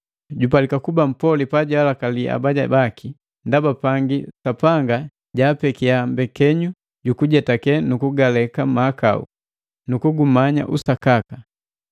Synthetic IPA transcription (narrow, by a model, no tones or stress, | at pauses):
ɟupalikakubam̩pɔlipaɟalakaliʔa̰baɟa̰baki | ndabapaŋɡisapaŋɡa | ɟaːpɛkiambɛkɛɲu | ɟukuɟɛtakɛnukuɡalɛkamaːka̰ṵ | nukuɡumaɲa̰ʔusakaka